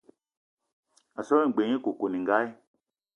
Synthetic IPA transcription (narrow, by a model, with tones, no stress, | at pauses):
a˨sɔ˦ĩ˦˨ɡ͡be˨ŋi˦ko˨ko˨nĩ˨ŋ˨ɡa˦i˦